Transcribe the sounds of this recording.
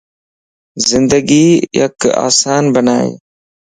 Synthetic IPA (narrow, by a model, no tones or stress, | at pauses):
zɪnd̪əɡiːjə̰ka̰ːsaːnbənaːḛː